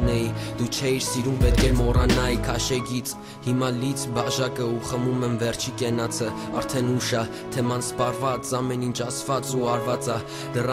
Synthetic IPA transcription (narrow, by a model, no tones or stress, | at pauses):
nɛid̪̥ut͡ʃʰɛiɾsiɾumpɛt̪̚kʰɛmɔrɑnɑikʰɑʃɛɡit͡sʰ | himɑlit͡sʰbɑʒɑkəuχəmumɛmvɛrt͡ʃʰikɛnɑt͡sʰə | ɑɾt̪ʰɛnuʃɑ | t̪ʰɛmɑnspɑrvɑt͡sɑmɛnint͡ʃʰɑsvɑt͡suɑɾvɑt͡sɑ | d̪ərɑ